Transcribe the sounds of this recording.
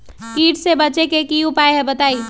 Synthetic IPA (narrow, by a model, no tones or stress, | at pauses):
kiːʈsebɐt͡ʃekekiupaːeɦɛbɐt̪aːiː